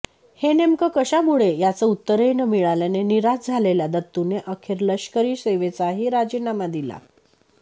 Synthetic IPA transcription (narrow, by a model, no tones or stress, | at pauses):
henemkəkəɕamuɭejat͡səut̪ːəɾejnəmiɭaljaneniɾad͡zd͡zʱaleljad̪ət̪ːuneʔəkʰeɾləɕkəɾiːseʋet͡saɦiːɾad͡ʑinamad̪ila̰